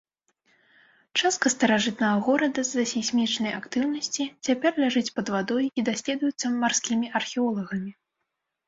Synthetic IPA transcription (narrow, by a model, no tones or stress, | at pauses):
t͡ʂast̪̚kɐst̪ɐɾaʐɨt̪̚nɐɣɐɣɔɾɐd̪ɐzːɐsʲisʲmʲit͡ʂnɐjakt̪ɨwnɐsʲt͡sʲit͡sʲapʲɛrlʲaʐɨt͡sʲpɐd̪vad̪ɔjid̪asʲlʲɛd̪ujut̪sːɐmarskʲimʲiʔɐrxʲɛɔlˠɐɣɐmʲi